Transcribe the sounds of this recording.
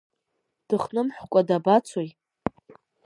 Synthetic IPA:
d̥ɨχnɨmħʷkʷʼadabat͡sʰoj

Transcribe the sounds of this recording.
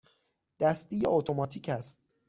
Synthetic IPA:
d̪̥æst̪iːjeot̪ʰomɒːt̪ʰiːcʰæst̪̚

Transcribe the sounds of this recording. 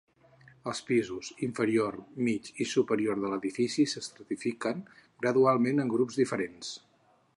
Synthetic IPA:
əlˠspizuziɱfəɾiormit͡ʃisupəɾioɾðələðifisisəst̪ɾət̪ifikəŋɡɾəðualˠmenəŋɡɾupzðifəɾens

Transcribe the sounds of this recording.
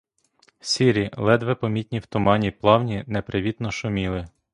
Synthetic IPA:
sʲiɾʲilˠɛd̪ʋɛpɔmʲit̪ʲnʲiwt̪ʊmɑnʲiplˠɑwnʲinɛpɾɪʋʲit̪nɔʃʊmʲilˠɪ

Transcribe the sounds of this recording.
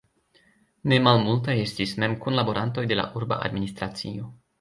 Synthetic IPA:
ne̞malmultaje̞stisme̞mkunlabo̞ɾanto̞jde̞la̰ʔuɾba̰ʔa̰dminist̪ɾat͡sio̞

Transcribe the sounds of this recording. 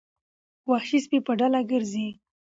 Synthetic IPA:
wɑhʃispipəɖalaɡəɾzi

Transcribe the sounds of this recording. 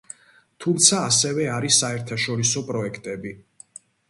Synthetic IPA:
t̪ʰumt̪sʰaːsɛvɛaɾisːaɛɾt̪ʰaʃɔɾisɔpʼɾɔɛkʰt̪ʼɛbi

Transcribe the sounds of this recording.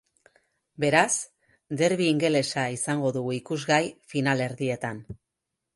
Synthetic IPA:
be̞ɾas | d̪e̞ɾβ̞iːŋɡe̞le̞saisaŋɡo̞ðuɣuikuzɣajfinale̞ɾðie̞t̪an

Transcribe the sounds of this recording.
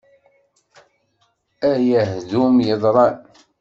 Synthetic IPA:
æjæɦðumjəðˤɾˤɑn

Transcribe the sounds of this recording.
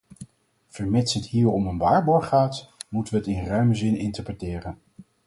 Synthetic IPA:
v̥əɹmɪtsətɦiːɹɔmənʋaːɹbɔɹχaːtmutəʋəɦətɪnrœɥməzɪnɪntəɹprətɪːrən

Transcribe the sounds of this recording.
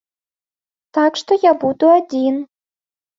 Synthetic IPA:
t̪akʂt̪ɔjabud̪uad͡zʲin

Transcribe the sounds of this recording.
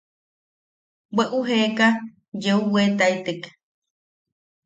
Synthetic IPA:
weʔuɦeka | d͡ʒeuwet̪aet̪ek

